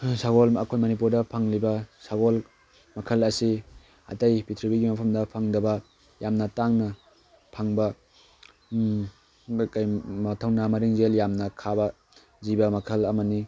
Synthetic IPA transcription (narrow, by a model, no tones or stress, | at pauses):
saɡolɐ̰kʰojmɐnipuɾdɐpʰaŋlibɐsaɡol | mɐkʰɐlɐsi | a̰tajpitʰɾibiɡimɐpʰɐmdɐpʰaŋdɐbɐ | jamnɐtaŋnɐ | pʰaŋbɐ | kajmɐtʰɐwnɐmɐɾiŋzeljamnɐkʰabɐ | zibɐmɐkʰɐlɐmɐni